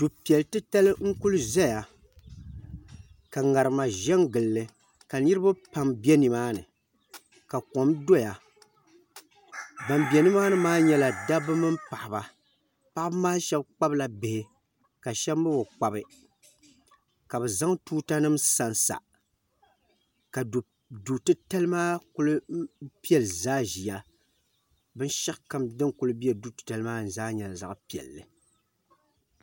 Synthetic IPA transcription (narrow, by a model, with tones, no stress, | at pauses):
tu˨pi˨ɛ˨ltɨ˦ta˦lɨ˦ŋ̩˦ku˦lzɛ˦ja˨ | ka˨ŋa˨ɾɨ˨ma˨ʒɛ˦ŋɡɨ˨lːɨ˨ | ka˨ni˦ɾɨ˦ba˦pa˨mbi˦ɛ˦nɨ˨maː˦nɨ̰˨ | ka˨ko˨mdo˦ja˨ | ba˨mbɛ˨nɨ˦maː˦nɨ˨˦maː˦ɲɛ˦la˨da˦bɨ˦mɨ˦mpa˨ʔɪ˨ba˨ | pa˦ʔbmaː˦ʃɛ˦bk͡pa˦bla˨bɪ˨hɪ˨ | ka˨ʃɛ˦bm˦bɨ˦bo˨k͡pa˦bɨ˨ | ka˨bɛ˨za˦ŋtuː˦ta˦nɨ˦msa˨nsa̰˨ | ka˨ | du˨tɨ˦ta˦lɨ˦maː˦kʊ˦lɨ˦pi˦ɛ˦lɨ˨zaː˦ʒi˨ja˨ | bɨ˦nʃa˦ʔka˦mdɨ˦kʊ˦lɨ˦bi˦ɛ˨du˦tɨ̥˨ta˨lɨ˦maː˦n̩˨zaː˦ɲɛ˨la˨za̰˨ʔpi˨ɛ̰˨lːɨ̰˨